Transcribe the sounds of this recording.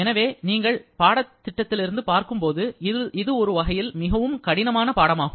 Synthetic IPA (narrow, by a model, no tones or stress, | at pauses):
ɛnɐʋeːniːŋɡɐɭpaːɽɐt̪ːɪʈːɐt̪ːɪlɪɾɯnd̪ɯpaːɾkɯmpoːðɯɪðɯɔɾɯʋɐɣɐjɪlmɪɣɐʋɯmkɐɽɪnɐmaːnɐpaːɽɐmaːɣɯm